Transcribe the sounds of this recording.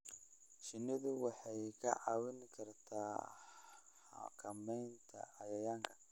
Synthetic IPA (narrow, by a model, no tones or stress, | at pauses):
ʃɪnɪðʊwɑħɑjkʰɐ̰ʕɑːwɪnkʰɐrt̪ʰaː | a̰kʰɐmɛjnt̪ʰɐ̰ɐjɐjaːŋkʰɐ̥